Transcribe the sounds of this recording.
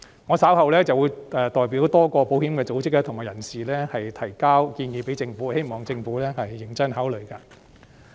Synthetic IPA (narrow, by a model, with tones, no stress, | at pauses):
ŋɔ˨˧saː˨˥whɐ˨wlɛː˥t͡sɐ˨wu˨˧jɛː˨t̪ɔː˨jp̬i˨˥wt̪ɔː˥kɔː˧po˨˥whiː˨˥mkɛː˧t͡so˨˥wt͡sɪ˥k̚lɛː˧t̪ʰʊ˨˩ŋmaː˨˩jɐ˨˩nsiː˨lɛː˥hɐ˨jt̪ʰɐ˨˩jkaː˥wkiː˧njiː˨˧pe˨˥jt͡sɪ˧ŋfuː˨˥he˥jmɔː˨ŋt͡sɪ˧ŋfuː˨˥lɛː˥hɐ˨jːɪ˨˩ŋt͡sɐ˥nɦaː˨˥wlɵ˨˩ɥkaː˧